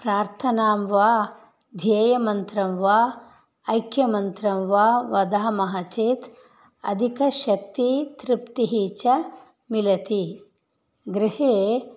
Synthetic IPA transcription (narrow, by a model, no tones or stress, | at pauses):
pɾaːɾt̪ʰɐnaːmʋaː | d̪ʱjɐːjɐmɐnt̪ɾɐmʋaː | ɐjkʰjɐmɐnt̪ɾɐmʋaːʋɐd̪aːɐmɐɦat͡ʃeːt̪ | ɐ̰d̪ʱikɐʃɐk̚t̪it̪ɾɪpt̪iɦiːt͡ʃɐ | milɐt̪i | ɡɾɪheː